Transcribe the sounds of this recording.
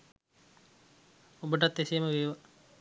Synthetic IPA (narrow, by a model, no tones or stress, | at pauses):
obəʈ̬ɐt̪ːesiːməʋeːʋɐ